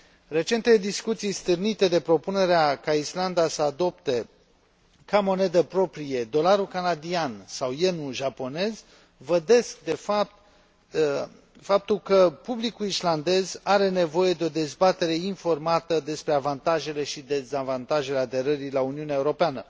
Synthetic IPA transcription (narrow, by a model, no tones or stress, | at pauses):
re̞t͡ʃe̞nt̪eed̪iskut̪sijst̪ɨrnit̪e̞d̪e̞pɾo̞pune̞ɾeakaisland̪asəad̪o̞pt̪e̞ | kamo̞ne̞d̪əpɾo̞pɾije̞d̪o̞laɾulkanad̪iansawjenuʒapo̞ne̞z | vəd̪e̞sk̚d̪e̞fap̚t̪ | fap̚t̪ulkəpublikulisland̪e̞zaɾe̞ne̞vo̞je̞d̪eo̞d̪e̞zbat̪e̞ɾe̞info̞rmat̪əd̪e̞spɾe̞avant̪aʒe̞le̞ʃid̪e̞zavant̪aʒe̞lead̪e̞ɾəɾilauniuneaeuɾo̞peanə